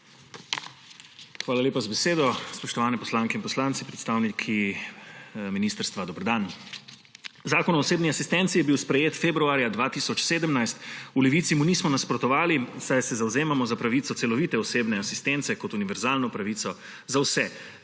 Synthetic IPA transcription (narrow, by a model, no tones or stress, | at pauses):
xʋaːlaleːpazbɛseːd̪ɔspɔʃt̪ɔʋaːnɛpɔslaːŋkɛinpɔslaːnt̪sipɾɛt̪st̪aːwnikʰi | miniːst̪əɾst̪ʋad̪ɔbɾd̪aːn | zaːkɔnɔːseːbniasist̪ɛnt̪sijɛbiwspɾɛjeːt̪febɾuaːɾjad̪ʋaːt̪iːsɔt͡ʃseːd̪əmnajst̪ulɛʋiːt̪simuniːsmɔnaspɾɔt̪ɔʋaːlisajsɛzawzeːmamɔzapɾaʋiːt̪sɔt̪sɛlɔʋiːt̪ɛɔseːbnɛasist̪ɛnt̪sɛkɔt̪uniʋɛɾzaːlnɔpɾaʋiːt̪sɔ | zawsɛ